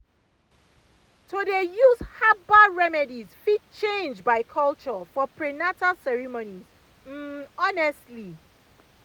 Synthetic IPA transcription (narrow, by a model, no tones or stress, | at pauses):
todejuzhabaɹɛmɛdizfid̚t͡ʃẽnd͡ʒbaɪkʰɔlt͡ʃɔfɔpɹɛnatasɛɹimoniz̥ | m̩ɔnɛstli